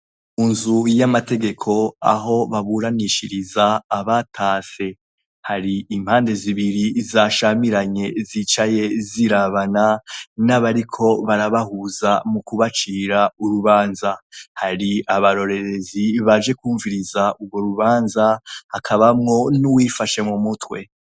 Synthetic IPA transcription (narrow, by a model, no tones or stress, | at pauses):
unzujamate̞ɡe̞kʰo̞a̰ɦo̞βaβuɾaniʃiɾizaːβatʰaːse̞ | haɾiːm̥haːnde̞ziβiɾizaʃamiɾaɲe̞zit͡ʃaje̞ziɾaβananaβaɾikʰo̞βaɾaβahuzamukuβat͡ʃiːɾauɾuβaːnzahaɾiaβaɾo̞ɾe̞ɾe̞ziβad͡ʒe̞kuːɱviɾizaʔuɡɡwo̞ɾuβaːnzahakʰaβamŋo̞nuwiːfaʃe̞mumutwe̞